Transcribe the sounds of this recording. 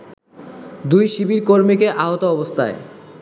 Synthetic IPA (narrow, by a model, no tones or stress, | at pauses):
d̪ujʃibiɾkoɾmikeʔaɦot̪oɔbost̪ʰae